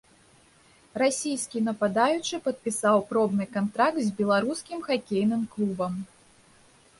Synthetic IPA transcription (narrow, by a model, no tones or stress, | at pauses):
rasʲijskʲinɐpad̪ajut͡ʂɨpɐt̪̚pʲisawpɾɔbnɨkant̪ɾakt̪zʲbʲɛlˠaɾuskʲimxakʲejnɨmklˠubɐm